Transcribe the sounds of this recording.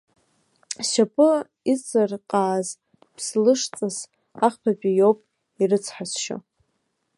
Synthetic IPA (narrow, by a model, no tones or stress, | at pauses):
ʃapʼɨ | it͡sʼɨrqʼaːz | pʰslɨʂt͡sʼɨs | aχpʰapʲʼijowpʼ | irɨt͡sʰħasʃo̰